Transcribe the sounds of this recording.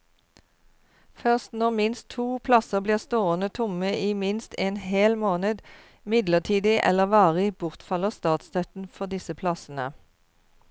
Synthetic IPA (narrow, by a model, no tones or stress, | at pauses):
fœʁst̪nɔʁmɪnst̪ʰuːpʰlɑsəbliːʁst̪oːənət̪ʰʊməʔiːmɪnst̪eːnheːlmoːnəd̪ | mɪd̪ləʁt̪ʰiːd̪ɪʔɛ̰ləʁʋɑːʁɪbʊʁt̪fɑləʁst̪ɑːt̪st̪ʰœt̪n̩fɔʁd̪ɪsəpʰlɑsnə̰